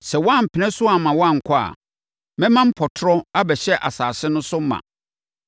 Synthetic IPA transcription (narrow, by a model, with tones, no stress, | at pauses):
sɛ˨wa˦˨m̩˨pʰɪ˨nɛ̃˦sʊ˦a˨mã˨wɔ˦ã˦˨ŋ̩˨kʰɔ˦a̰˨ | mɛ̃˦mã˦m̩˦pʰɔ˨tʰʊ˦ɾɔ˦a˦bɛ˨ɕɛ˦ʔa̰˨saː˨sɪ˦nʊ̃˦sʊ˦mã̰˨